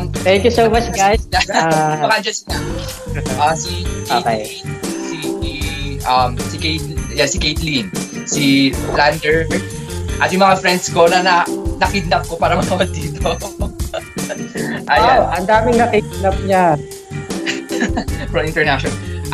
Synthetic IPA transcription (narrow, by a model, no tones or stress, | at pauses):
t̪ɛ̃ŋkjusowmɐt͡ʃɡajsaɐkaɐnd͡ʒɐnsina | ʔɐsiʔokḛj | si | ʔɐmsiket̪ljɛsikejt̪linsiland̪ɛɹ | ʔɐt̪̚jʊ̃ŋmɐŋafɾɛnd̪̚skonɐnɐnɐkid̪̚nɐp̚kopaːɾɐmɐkɐwɐd̪iːt̪o | ʔɐjoʔɐnd̪aːmɪŋnɐkid̪̚nɐp̚ɲa | fɹɐmɪ̃nt̪ɛɹnaʃɔnɐʔ